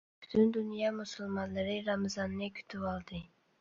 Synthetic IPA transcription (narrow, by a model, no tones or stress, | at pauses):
b̥ʊ̥t̪ʰʊnd̪ʊnijɑmʊsʊlˠmɑnlɪɾɪɾamzɑnːɪkʲʰy̥t̪ʰɪpɑlˠd̪ɪ